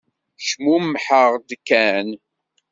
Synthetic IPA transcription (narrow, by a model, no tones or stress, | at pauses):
ʃmumħəʁd̪kːæn